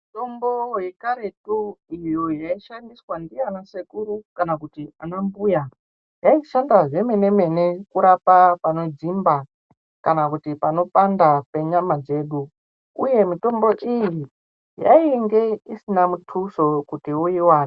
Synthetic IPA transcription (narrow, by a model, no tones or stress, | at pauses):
mito̞mbo̞jekaɾetuijojaiʃandiswandianasekuɾukanakutianambuja | jaiʃandaʐe̞me̞ne̞me̞ne̞kuɾapapano̞d͡zimba | kanakutipano̞pandape̞ɲamad͡ze̞ːɗu | uje̞mito̞mbo̞ʔiji | ja̰iŋɡe̞isinamutʰuso̞kutiuiwaːri